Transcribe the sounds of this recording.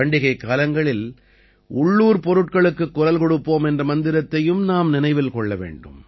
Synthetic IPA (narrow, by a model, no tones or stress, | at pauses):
ɐɳɖɪɣɐɪkːaːlɐŋɡɐɭɪl | ʊɭːuːɾpɔɾɯʈ̚kɐɭɯkːɯkːʊɾɐlkɔɽɯpːoːmɛndrɐmɐnd̪ɪɾɐt̪ːɐjɯmnaːmnɪnɐɪʋɪlkɔɭːɐʋḛːɳɖɯm